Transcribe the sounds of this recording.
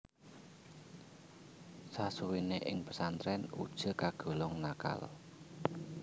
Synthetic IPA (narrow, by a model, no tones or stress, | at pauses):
sasuwineʔɪ̰ŋpə̥sant̪ɾɛnṵd̥ʒ̥ə̤kaɡ̥o̤lɔŋnaka̰l